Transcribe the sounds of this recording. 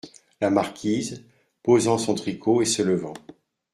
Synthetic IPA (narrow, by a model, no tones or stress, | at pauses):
lamaʁkʲʰiz | pozɑ̃sɔ̃t̪χikʰoesələvɑ̰̃